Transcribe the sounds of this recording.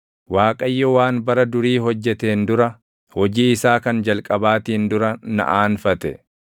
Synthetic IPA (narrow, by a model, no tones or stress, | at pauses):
waːkʼɐjːɔwaːnbɐɾɐd̪ʊɾiːɦɔd͡ʒːɛt̪eːnd̪ʊɾɐ | hɔd͡ʒiːɪsaːkɐnd͡ʒɐlkʼɐbaːt̪iːnd̪ʊɾɐnɐ̰ʔaːnfɐt̪ɛ